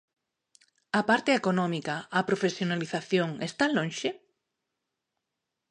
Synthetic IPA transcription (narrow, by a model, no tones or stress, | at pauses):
ɐpaɾt̪eekonɔmikaːpɾofesjonaliθaθjoŋest̪alõnʃɪ